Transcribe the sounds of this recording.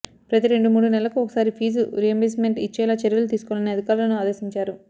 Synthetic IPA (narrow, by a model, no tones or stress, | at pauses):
pɾɐt̪iɾe̞ɳɖumuːɽunɛlːɐkuɔkɐsaːɾipʰiːd͡ʒuɾijembeːsmeɳʈit͡ʃːɛːlaːt͡ʃeɾjɐlut̪̬iːsu̥kɔʋlɐniɐd̪ikaːɾulɐnuaːd̪eːsiɲt͡ʃaːɾu